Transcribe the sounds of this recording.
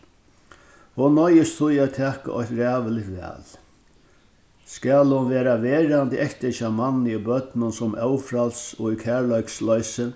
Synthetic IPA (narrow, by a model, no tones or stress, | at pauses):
hʊnːɔjɪst̪ʰʊjɛt̪ʰɛːka̰ʔɔht̪ɾɛːʋəlɪtʋɛ̰ːl | skaːlhʊnʋeːɾaʋɛːɾant̪əʔɛhkt̪ɛʃamanːəibœt̪nʊnsʊmɛwfɾalsɔikʰæːɹlɔɥkslɔjsə